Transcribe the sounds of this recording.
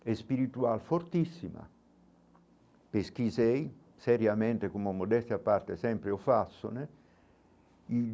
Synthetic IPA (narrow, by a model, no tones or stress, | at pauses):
ɛspiɾit̪ualfort̪isːima̰ | pesk̟isɛj | sɛɾjament̪ekomomod̪ɛst̪japːart̪esɛmpɾeofasːo̰ne | i